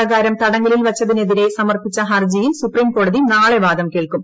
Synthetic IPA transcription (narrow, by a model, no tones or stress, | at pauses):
ɐɣaːɾɐmt̪ɐɽɐŋːililʋɐt͡ɕːɐðine̞ðiɾe̞sɐmɐrpit͡ɕːɐɦɐrd͡ʑijilsupriːmko̞ːɽɐðinaːɭeʋaːd̪ɐmkeːɭkum